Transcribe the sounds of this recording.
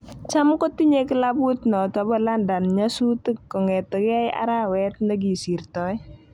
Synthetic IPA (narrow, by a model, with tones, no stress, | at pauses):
t͡ʃa˦mko˦ti˦ɲe˦kɪ˦la˦bu˦tnɔ˨tɔ˨bɔ˦la˦nda˨nɲa˦su˦ti˦ɔ˨ŋɛ˨tɔ˨ka˦ja̰˦ɾa˦wɛ˦t̚nɛ˦ɡi˨si˨rtɔ˦ɪ˦